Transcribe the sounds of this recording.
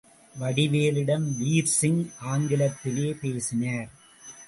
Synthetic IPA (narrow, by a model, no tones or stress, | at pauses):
ʋɐɽɪʋeːlɪɽɐmʋiːɾsɪŋʔaːŋɡɪlɐt̪ːɪleːpeːsɪnaːɾ